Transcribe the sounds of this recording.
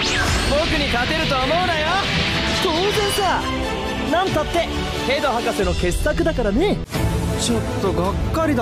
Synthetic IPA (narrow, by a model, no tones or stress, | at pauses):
boːkɯ̟ɲ̟ikat̪e̞ɾɯ̟t̪o̞ːmoɯnajo | soːzẽsa | nãnt̪at̪ːe̞ | he̞ːd̪ohakaseno̞ke̞sɨ̥t̪akɯ̟d̪akaɾane | t͡ɕo̞t̪ːo̞ɡakːaɾʲid̪